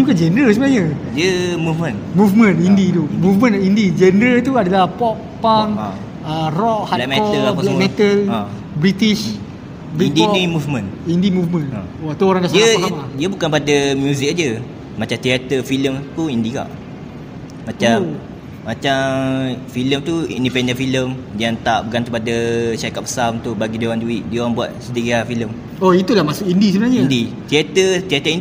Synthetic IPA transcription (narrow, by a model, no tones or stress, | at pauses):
bukand͡ʒɛndɾəls̬əmənaɲədiəmufmə̃nmufmə̃nindit̪umufmə̃nindid͡ʒɛndɾət̪uadalahpɔpːaŋ | ərɔʔhalɛmɛɔəllɛmɛt̪əl | bɾit̪iʃ | bɾindinimufmə̃nindimufmə̃n | at̪uoɾaŋdasdiəsamadiəbukanpadamjuzik̚ad͡ʒə | mat͡ʃamt̪iat̪əfiləmt̪uindika̰ʔ | mat͡ʃaː | at͡ʃamfiləmt̪uḭndipɛndənfiləmdiant̪aʔbəkant̪əpadaʃaɾikat̪̚bə̥saunt̪ʊʔbaɡidioɾanduiʔ̚diəoɾaŋbua̰t̪̚sədiɣiafiləm | oit̪ulahmasʊkindisəbənaɲəindit̪iat̪ət̪iat̪əind